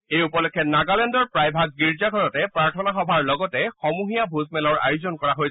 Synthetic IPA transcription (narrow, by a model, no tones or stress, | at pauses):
ejupɔlɔkʰːɛnaɡalɛndɔɹpɹajbʱaɡ̚ːiɹzaɡʱɔɹɔtɛpɹaɹtʰɔnaxɔbʱaɹlɔɡɔtɛxɔmuɦijabʱuzmɛlɔɹa̰juzɔnkɔɹaɦoj